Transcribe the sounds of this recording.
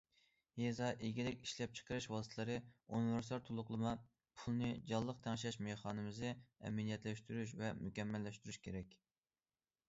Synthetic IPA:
jezɑʔeɡʲilɪkʲiʃlɛp̚t͡ʃʰə̥qəɾɨʃwɑst̪ʰɨlˠɨɾɨunivɪɾsɑɾt̪ʰolˠʊqlˠɨmɑ | pʰulˠnɨd͡ʒɑlˠːəq̚t̪ʰɛŋʃ̬ɛʃmeχɑːnɨmɨzɨɛ̰mɛnijɛt̪lɛʃt̪yɾyʃ̬vɛmykʲɛmːɛlːɛʃt̪yɾyʃkʲʰeɾɛkʲ

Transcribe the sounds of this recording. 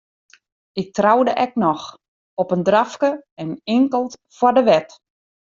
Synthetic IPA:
ɪk̚trawdəʔɛknɔx | ɔpəndrafkəɛnɪŋkəlˠtfwadəʋɛt

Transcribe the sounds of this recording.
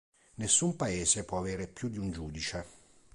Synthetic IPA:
nesːumpaeːsepwɔaveːɾepjud̪ːiund͡ʒuːd̪it͡ʃe

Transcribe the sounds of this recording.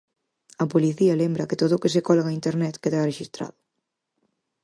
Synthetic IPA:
ɐpoliθiɐlembɾɐket̪oðʊːkes̬ekɔlɣaint̪eɾnɛt̪keðareʃist̪ɾa̰ðʊ̥

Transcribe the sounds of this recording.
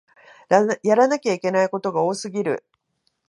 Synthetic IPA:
jaɾanakʲaikʲe̞naiko̞t̪o̞ɡao̞ːsɨɡʲiɾɯ̟̰

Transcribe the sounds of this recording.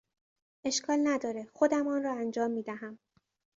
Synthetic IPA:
ʔe̞ʃkʰɒːlnæd̪ɒːɾexo̞d̪æmɒːnɾɒːænd͡ʒɒːmːiːd̪æɦæm

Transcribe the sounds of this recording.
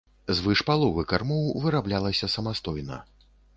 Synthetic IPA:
zvɨʂpalˠɔvɨkarmɔwvɨɾablʲalˠɐsʲɐsɐmast̪ɔjnɐ̰

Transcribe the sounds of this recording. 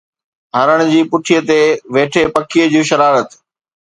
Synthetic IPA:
ɦaɾəɽ̃ʊd͡ʑiːpʊʈʰijət̪eʋeːʈʰepɐkʰijəd͡ʑuːʃɐɾaːɾət̪

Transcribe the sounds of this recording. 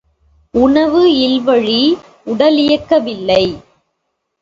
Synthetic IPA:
ʊɳɐʋɯɪlʋɐɻi | ʊɽɐlɪjɐkːɐʋɪlːɐɪ

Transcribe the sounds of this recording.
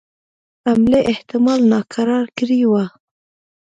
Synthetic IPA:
amleʔɪht̪ɪmɑlnɑkʰaɾɑɾkɾiwa

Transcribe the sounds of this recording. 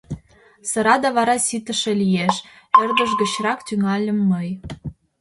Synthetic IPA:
sɤ̆ɾɑd̪ɑβɑɾɑsit̪ə̆ʃĕlijeʃ | erd̪ə̆ʃɡə̆t͡ɕrɑkt̪yŋɑlʲə̆mːəj

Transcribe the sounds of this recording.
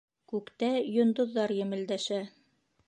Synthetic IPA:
kʉkt̪æjŏnd̪ŏðːɑɾjɘ̆mɘ̆ld̪æʃæ

